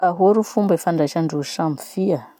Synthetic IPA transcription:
aɦoɾufumbefaɳɖ͡ʐaʃaɳɖ͡ʐuʃamfia

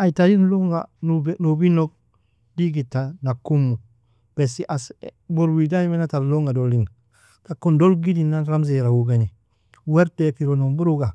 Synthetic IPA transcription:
aitadinloŋɡa̰nnobinok̚ | diɡitːanakːumːu | b̥esiʔasboɾwidaimenataɾloŋɡadolːiŋ | takːundolɡidinaɾams̬eɾawuɡeni | weɾtepiɾonombuɾuɡa

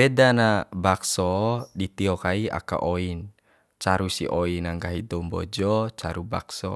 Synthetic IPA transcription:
pedanabaksɔdit̪iɔkaia̰ka̰ʔɔin | t͡ʃaɾusḭʔɔinaŋɡaɦid̪ɔmbɔ̰d͡ʒɔt͡ʃaɾuba̰ksɔ̰

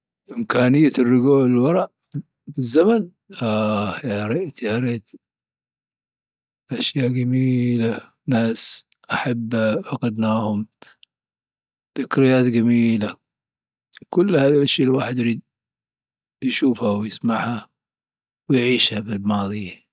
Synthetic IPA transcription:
ʔɪmkaːnɪjːarːʊɡuːʕɪlwɑɾˤɑʔ | bɪzːaman | ʔajaɾˤɑʔt̪ʕɑɾiːd̪ | ʔaʃjaːʔɡamiːla | naːs | ʔaħabːaʕaqɑd̪naːhʊm | θɪkɾɪjːaːt̪ɡamiːla | kʊlːhaːðilʔaʃjaːlwaːħɪd̪jaɾiːd̪̚ | jʃuːfhawjɪsmaʕha | wɪjʕiːʃhabɪlmɑːðˤɨjːa

